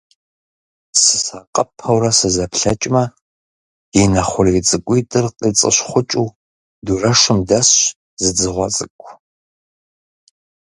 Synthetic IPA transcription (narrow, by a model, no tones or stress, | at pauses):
sɨ̥saːqʼɐpʰɐwrɐsɨzɐpɬɐt͡ʃʼmɐ | inɐχʷʊrit͡sʼɨkʷʼitʼɨrqʼit͡sʼɨ̰ɕχʷʊt͡ʃʼuː | durɐʂʷʊmdɐsɕ | zɨd͡zɨʁʷɔ̰t͡sʼɨkʷʼʰ